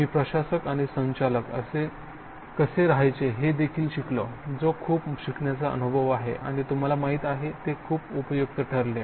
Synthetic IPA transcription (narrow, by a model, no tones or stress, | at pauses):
miːpɾəɕasəkaɽ̃isə̃ɲt͡ɕaləkə̰se | kəseɾaɦajt͡seɦed̪ekʰiːlɕikləd͡zokʰuːpɕikɳjat͡saʔə̰nubʱəʋaɦḛʔa̰ɽ̃it̪um̤alamaɦiːt̪aɦet̪ekʰuːpupəjuk̚t̪əʈʰəɾle